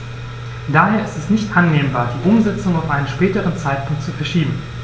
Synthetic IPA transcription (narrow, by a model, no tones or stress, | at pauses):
d̥aːheːɐɪstɛstnɪçtʔanːeːmbaːɐdiːʔʊmzɛt͡sʊŋaʊfʔaɪnənʃpɛːtəʁ̞ənt͡saɪt̚pʰʊŋk̚tt͡sufɛɐʃiːbm̩